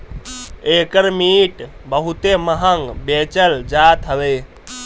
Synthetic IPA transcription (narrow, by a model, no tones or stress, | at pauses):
eːkəɾmiʈbəɦut̪eməɦəŋɡbet͡ʃəld͡ʒaːt̪ɦəʋe